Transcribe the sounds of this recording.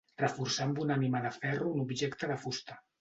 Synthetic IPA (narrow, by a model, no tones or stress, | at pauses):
rəfuɾsambunanimaðəfɛruːnubʒɛkt̪əðəfust̪ə̥